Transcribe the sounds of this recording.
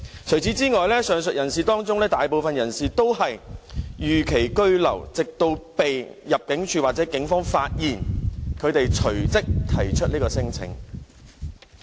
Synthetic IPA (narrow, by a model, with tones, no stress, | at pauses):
t͡sʰɵ˨˩ɥt͡sʰi˨˥t͡siː˥ŋɔː˨jlɛː˥sœː˨ŋsɵ˨t̚jɐ˨˩nsiː˨t̪ɔː˥ŋt͡sʊ˥ŋlɛː˥t̪aː˨jpo˨wfɐ˨njɐ˨˩nsiː˨t̪o˥whɐ˨jjyː˨kʰe˨˩jkɵ˥ɥlɐ̰˨˩wt͡sɪ˨k̚t̪o˧wpe˨jjɐ˨p̚kɪ˨˥ŋt͡ʃʰyː˨˧waː˨t̚t͡sɛ˨˥kɪ˨˥ŋfɔː˥ŋfaː˧t̚jiː˨˩nkʰɵ˨˧ɥt̪e˨jt͡sʰɵ˨˩ɥt͡sɪ˥k̚t̪ʰɐ˨˩jt͡ʃʰɵ˥t̚liː˥kɔː˧sɪ˥ŋt͡sʰɪ̰˨˩ŋ